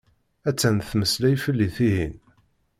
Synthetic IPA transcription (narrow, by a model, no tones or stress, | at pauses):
æt͡sːænθməslæjfəlːiθihin